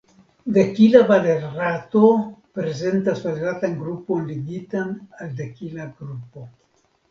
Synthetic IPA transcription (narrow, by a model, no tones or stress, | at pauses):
dekilavaleɾɾat̪opɾeze̞ntasvaɾatanɡɾupo̞nliɡitanald̪ekilaɡɾupo